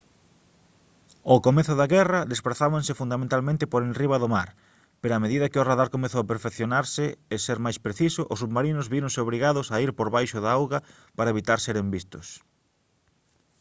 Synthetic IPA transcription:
okomeθʊðaɣɛrɐðespɾaθaβaŋsɪfund̪amẽnt̪almẽnt̪ɪpoɾenriβ̞ɐðʊmaɾ | peɾoameðiðɐkɪʊraðaɾkomeθowapeɾfekθjonaɾsɪeseɾmajspɾeθisʊʔʊsːuβmaɾinʊzβiɾõŋseoβ̞ɾiɣaðʊsaiɾpoɾβajʃʊðaawɣɐ | paɾɐeβit̪aɾseɾembist̪ʊs

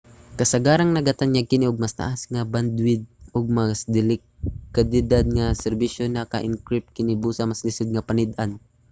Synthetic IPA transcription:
kɐsaɡaːɾaŋnɐɡat̪aɲaɡ̚kɪniʊɡ̚mast̪a̰ʔasŋaband̪wɪd̪̚ʊɡ̚masd̪ɪlɪ | kad̪ɪd̪ad̪̚ŋasɛɾbiʃonakaʔɪŋkɾɪp̚t̪̚kɪnibuːsamaslɪsʊd̪̚ŋɐpanɪd̪ʔan

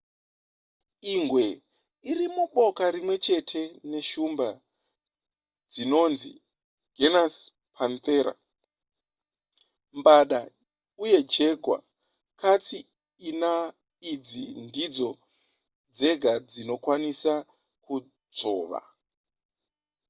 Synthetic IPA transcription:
iŋɡwe̞ | irimuɓo̞kaɾimwe̞t͡ʃe̞tʰe̞ne̞ʃumba | d͡zino̞nzḭ | ɡ̥ʱenas | pʰanteːɾa̰ | mbaɗa | uje̞d͡ʒe̞ɡʱwa̰ | kat͡siː | na | id͡zindid͡zo̞ | d͡ze̞ɡʱad͡zino̞kwanisa | ku | d͡zo̞ːʋa̰

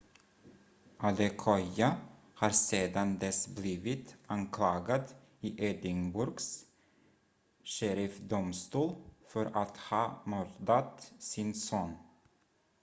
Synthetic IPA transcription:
ʔad̪ɛkʰɔja | hɑːɾseːd̪and̪ɛsbliːvɪt̪ʔaŋkʰlɑːɡad̪ | iːʔeːd̪ɪŋbʊɾɡs | ʃeɾɪfd̪ʊmst̪uːlfœɾat̪hɑːmɔld̪at̪sɪnsoːn

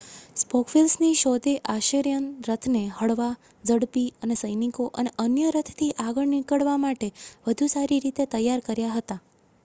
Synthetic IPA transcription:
spɔkʰfilsniʃod̪eʔaʃəɾjənɾət̪ʰneɦəɽʋa | d͡ʒəɽpiənesəjnikoʔəneʔənjəɾət̪ʰt̪ʰiʔaɡəɭnikəɭʋamaʈeʋəd̪ʱusaɾiɾit̪et̪əjaɾkəɾjaɦət̪a

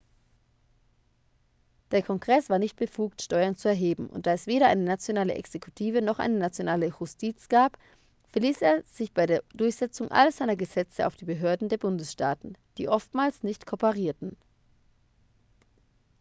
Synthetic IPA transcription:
d̥eːɐkʰɔŋɡʁɛsv̥aːɐnɪçt̚b̥əfuːk̚tʃtɔʏɐnt͡suɛɐɦeːbm̩ʔʊ̰ntd̥aːɛsv̥eːɾɐʔa̰ɪnənat͡sjonaːlə̰ʔɛ̰ksekʰutʰiːvənɔχʔa̰ɪnənat͡sjonaːləjʊstʰiːt͡sɡ̥aːp | fɛɐliːsʔeːɐz̥ɪçb̥aɪɾeːɐdʊɐçz̥ɛt͡sʊŋʔa̰lɐzaɪnɐɡəzɛt͡səʔa̰ʊfd̥iːbəɦøːɐdn̩deːɐbʊndəsʃta̰ːtn̩d̥ḭːʔɔftmaːlsnɪçtkʰopəʁiːɐtn̩

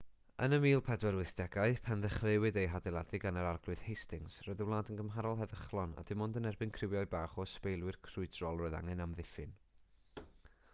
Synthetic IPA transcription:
ənəmiːlˠpʰɛdwɛɾwɪθd̥ɛɡaɨpʰɛnðəχrɪwɨdejɦadɛlˠadɪɡanəɾarɡlˠʊð̥hejstɪŋsrɔɨðəwlˠaːdənɡəmɦaɾɔlˠɦɛðəχlˠɔna̰d̥ɪmɔndənɛrbɨnkʰrɪwjaɨbaːχɔspejlˠwɨrkʰrʊɨdrɔlˠrɔɨða̰ŋɛnamðɪfɨn

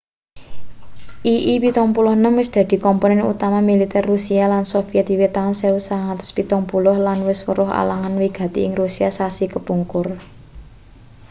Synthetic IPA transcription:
ʔiʔipit̪ɔŋpulɔhnəmwɪsd̪̥ä̤d̪̥i̤kɔmpɔnɛnṵt̪amamilit̪ɛrːusialansofiɛt̪̚iwet̪aʊnsɛusaŋat̪ə̥spit̪ɔŋpulɔhlanwɪswə̰ɾʊɦa̰la̰ŋanwiɡ̥a̤t̪iɪŋrusiasasikəpuŋkʊr

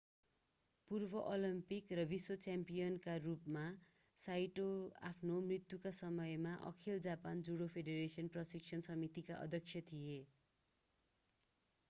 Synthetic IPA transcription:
purbʌʔolimpikrʌbiswʌt͡sampijʌnkarupma | sajʈoa̰pʰnomrit̪jukasʌmʌjmaʔʌ̰kʰild͡zapand͡zuɽopʰeɖeɾesiʌnprʌsik̚t͡sʰʌnsʌmit̪ikaʔʌ̰d̪ʱjʌkt͡sʰjʌt̪ʰije

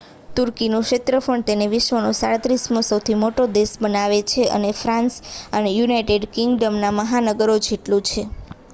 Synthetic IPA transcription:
t̪uɾkinũʃet̪ɾəpəɳt̪eneʋɪʃʋənosaɽət̪ɾismõsəwt̪ʰimoʈod̪eʃbənaʋet͡ʃʰeʔə̰nefɾãnsənejunaiʈeɖkiŋɡɖəmnaməɦanəɡəɾod͡ʒeʈlũt͡ʃʰe

